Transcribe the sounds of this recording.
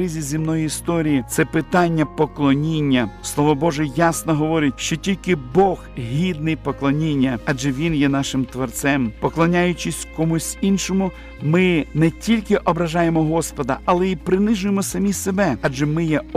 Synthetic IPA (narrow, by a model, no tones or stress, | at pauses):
ɪzʲizʲimnɔjiist̪ɔɾʲijit̪sɛpɪt̪ɑnʲːɐpɔklˠɔnʲinʲːɐslˠɔʋɔbɔʒɛjɑsnɔɦɔʋɔɾɪt̚ʲʃt͡ʃɔtʲilʲkɪbɔxɦʲid̪nɪjpɔklˠɔnʲinʲːɐɐd͡ʒɛʋʲinjɛnɑʃɪmt̪ʋɔrt̪sɛmpɔklˠɔnʲajʊt͡ʃɪsʲkɔmusʲinʃɔmʊ | mɪnɛtʲilʲkɪʔɔbɾɐʒɑjemɔɦɔspɔd̪ɐɐlˠɛipɾɪnɪʒʊjemɔsɐmʲisebɛɐd͡ʒɛmɪjɛ